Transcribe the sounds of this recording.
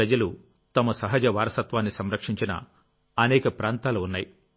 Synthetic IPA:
ɐd͡ʒɐlu | t̪ɐmɐsɐɦɐd͡ʒɐʋaːɾɐsɐt̪ʋaːnːisɐmɾɐkʂiɲt͡ʃinɐ̰ | ɐnɛːkɐpɾaːnt̪aːluːnːaːji

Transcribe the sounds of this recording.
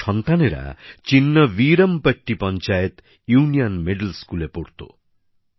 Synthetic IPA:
ɔnt̪aneɾa̰t͡ʃinːɔʋiɾɐmpəʈːipɔnt͡ʃajət̪ | junijɔnmeɖəlskulepoɽt̪o̰

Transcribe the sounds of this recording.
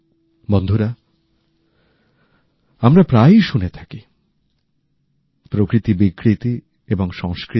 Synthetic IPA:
bɔnd̪ʱoɾa | amɾapɾajʃunet̪ʰḁki | pɾokɾit̪ibikːɾit̪i | eboŋʃɔŋskɾi

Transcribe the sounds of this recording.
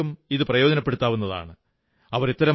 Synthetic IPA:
umiðɨprɐjo̞ːd͡ʑɐnɐpːeɽut̪ːaːʋunːɐða̰ːɳɨ | ɐʋɐɾit̪ːɐɾɐ

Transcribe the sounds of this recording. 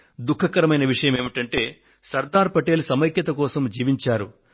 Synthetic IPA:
d̪ukʰːɐkɐɾɐmɐjnɐʋiʂɐjɐmeːmiʈɐɳʈe̞ː | sɐɾd̪aːɾpɐʈe̞ːlusɐmɐjkjɐt̪ɐkɔːsɐmd͡ʒiːʋiɲt͡ʃaːɾu

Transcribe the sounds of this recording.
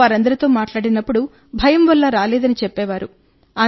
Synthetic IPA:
aːɾɐnd̪ɐɾit̪o̞ːmaːʈlaːɽinɐpːuɽu | bʱɐjɐmʋɐlːɐɾaːlɛːd̪ɐnit͡ʃɛpːɛːʋaːɾu | aː

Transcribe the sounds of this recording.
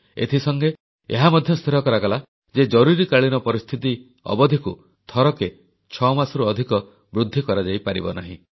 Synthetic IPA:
ḛt̪ʰisɔŋɡe | ḛɦamɔd̪ʱjɔst̪ʰiɾɔkɔɾakala | d͡ʒed͡ʒɔɾuɾikaɭinɔpɔɾist̪ʰit̪i | ɔ̰bɔd̪ʱiku | t̪ʰɔɾɔke | t͡ʃʰɔmasɔɾuɔd̪ʱikɔ | bɾud̪ʱːikɔɾad͡ʒaipaɾibɔ̰naɦĩ

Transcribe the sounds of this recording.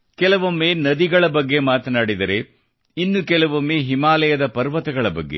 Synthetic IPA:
kɛlɐʋɐmːeːnɐd̪iɡɐɭɐbɐɡːe̞maːt̪ɐnaːɽid̪ɐɾe | inːukɛlɐʋɐmːeːɦimaːlɐjɐd̪ɐpɐɾʋɐt̪ɐɡɐɭɐbɐɡːḛ

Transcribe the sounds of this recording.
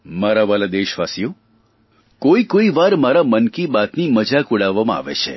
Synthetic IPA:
maɾaʋalad̪eʃʋasijo | koikoiʋaɾmaɾamənkibat̪niməd͡ʒakuɽaʋːamãa̰ʋḛt͡ʃʰḛ

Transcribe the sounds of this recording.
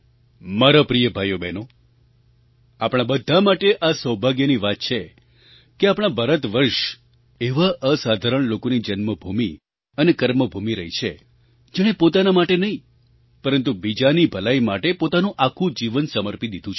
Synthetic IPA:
maɾapɾijəbʱajobɛno | apɽ̃abəd̪ʱːamaʈeʔasəwbʱaɡjəniʋat̪̚t͡ʃʰe | keapɽ̃abəɾət̪ʋəɾʃ | eʋaʔəsad̪ʱaɾəɳ̃lokonid͡ʒənməbʱumi | ənekəɾməbʱumiɾə̰ɦit͡ʃʰe | d͡ʒɛɽ̃epot̪anamaʈenəĩ | pəɾənt̪ubid͡ʒanibʱəlaimaʈepot̪anũʔakʰũd͡ʒiʋənsəməɾpid̪id̪ʱũt͡ʃʰ

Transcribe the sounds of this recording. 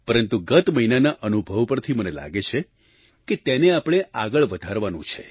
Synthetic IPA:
pəɾənt̪uɡət̪məɦinanaʔənubʱəʋpəɾt̪ʰimənela̰ɡet͡ʃʰe | ket̪eneapɽ̃eaɡəɭʋəd̪ʱaɾʋanũt͡ʃʰḛ

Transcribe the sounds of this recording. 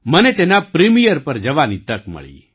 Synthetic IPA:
mɐnɛt̪eːnapɾimijəɾpɐɾd͡ʒɐʋanit̪əkmɐ̰ɭḭ

